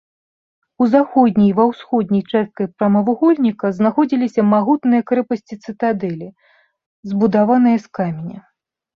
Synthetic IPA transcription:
uzaxɔd̪̚ʲnʲijvɐwsxɔd̪̚ʲnʲɐjt͡ʂɛst̪̚kɐjpɾɐmɐvuɣɔlʲnʲikɐznaxɔd͡zʲilʲisʲɐmaɣut̪nɨjɐkɾɛpɐsʲt͡sʲit̪sɨt̪ad̪ɛlʲi | zbud̪avan̪ɨjɐskamʲenʲɐ

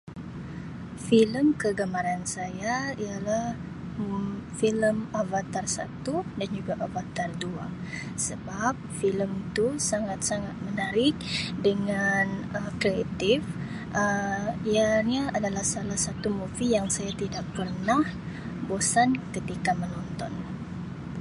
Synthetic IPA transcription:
filəmkəɡamaɾansajaijalah | filəmavat̪arsa̰t̪udand͡ʒuɡaʔavat̪ardua̰ | səbap̚filəmt̪usaŋat̪̚saŋat̪̚mənaɾɪk̚dəŋanəkɾeat̪ɪf | ʔəijaɲaadalahsalahsat̪umufijaŋsajat̪idaʔpərnah | bosankət̪ikamənɔnt̪ɔn

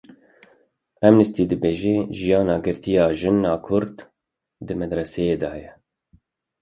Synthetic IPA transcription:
ɛmnɨst̪iːd̪ɨbeːʒeːʒijɑːnɑːɡɨɾt̪ijɑːʒɨnːɑːkʰʊɾd̪ | d̪ɨmɛd̪ɾɛsejeːd̪ɑːjɛ

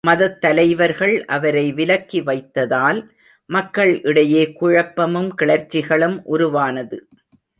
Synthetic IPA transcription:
mɐðɐt̪ːɐlɐɪʋɐɾɣɐɭʔɐʋɐɾɐɪʋɪlɐkːiʋɐɪt̪ːɐðaːl | mɐkːɐɭʔɪɽɐjeːkʊɻɐpːɐmɯmkɪɭɐɾt͡ʃːɪɣɐɭɯmʔʊɾʊʋaːnɐðɯ

